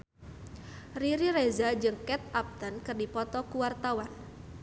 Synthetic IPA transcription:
riɾirezad͡ʒɨŋkɛt̪̚ap̚t̪ənkɨrdipɔt̪ɔkuwart̪awan

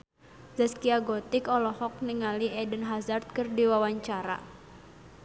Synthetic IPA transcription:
zaskiaɡɔt̪ikɔlɔhɔk̚niŋaliɛdənɦazart̪̚kɨrdiwawaɲt͡ʃaɾa̰

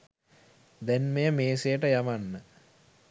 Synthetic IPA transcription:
d̪ɛnmejəmeːsejəʈəjamanːə

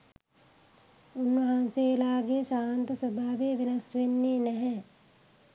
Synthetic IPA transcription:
unːəɦaːnselaːɡeʃaːnt̪əsəbʱaːʋeʋenɐsʋenːeːnɛɦɛ

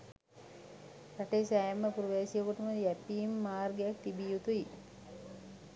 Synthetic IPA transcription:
ɾaʈeːsæːməpuɾuʋaːsijəkuʈəməjæpiːmːaːrɡejak̚t̪ibijut̪ui

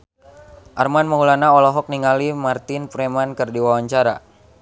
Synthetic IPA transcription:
ʔarmanməŋulanaɔlɔɦɔk̚niŋalimart̪ɪnpɾemankɨrdiwawaɲt͡ʃaɾa̰

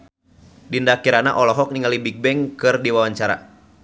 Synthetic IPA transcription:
dindakiɾanaʔɔlɔɦɔk̚niŋalibik̚bɛŋkɨrdiwawaɲt͡ʃaɾa̰

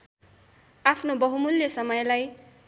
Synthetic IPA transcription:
apʰnobʌɦumulːjʌsʌmʌjlaj

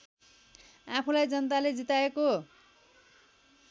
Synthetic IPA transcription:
apʰulajd͡zʌnt̪aled͡zit̪aeko

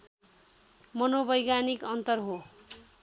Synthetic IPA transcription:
mʌnobʌjɡanikʌnt̪ʌrɦo

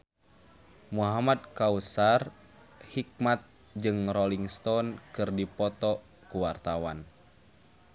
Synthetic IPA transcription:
muɦamad̪̚kausar | hik̚mat̪̚ | d͡ʒɨŋrɔliŋst̪ɔnkɨrdipɔt̪ɔ | kuwart̪awan

